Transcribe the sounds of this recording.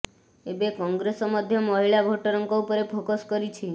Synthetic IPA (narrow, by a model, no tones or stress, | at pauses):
ebekɔŋɡɾesɔmɔd̪ʱjɔmɔɦiɭabʱoʈɔɾɔŋkɔupɔɾepʰokoskɔɾit͡ʃʰi